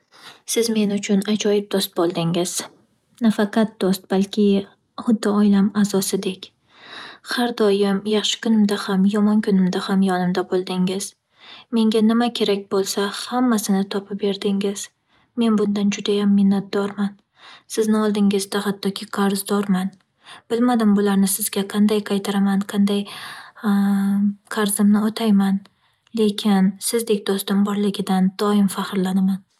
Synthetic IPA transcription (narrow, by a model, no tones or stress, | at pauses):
sɪzme̞nʊt͡ʃʰʊnat͡ʃʰɒjɪp̚d̪ost̪̚bɒlˠd̪ɪŋɪz̥ | nafɑqʰɑt̪̚d̪̥ost̪̚b̥alkʲʰɪ | χʊd̪ːɪɒjlamazɒsɪd̪e̞kʲ | haɾd̪ɒjɪmjɑχʃɪ̥kʊnɪmd̪ahamjɒmɒnkʰʊnɪmd̪ahamjɒnɪmd̪abolˠd̪ɪŋɪz̥ | me̞ŋɡʲanɪmakʲʰe̞ɾak̚ʲbolˠsahamːasɪnɪt̪ʰɒpʰɪp̚be̞ɾd̪ɪŋɪz̥ | me̞nbʊnd̪and͡ʒʊd̪ajamːɪnːat̪̚d̪̥ɒɾman | sɪznɪɒlˠd̪ɪŋɪzd̪ahat̪ʰːɒkʲʰɪqʰaɾzd̪ɒɾman | b̥ɪlmad̪ɪmbʊlaɾnɪsɪzɡʲaqʰɑnd̪ajqʰɑjt̪ʰaɾamanqʰɑnd̪aj | qʰɑɾzɪmnɪot̪ʰajman | le̞kʲʰɪnsɪzd̪e̞kʲd̪ʊst̪ʊmbɒɾlɪɡʲɪd̪and̪̥ɒɪmfahɾlanaman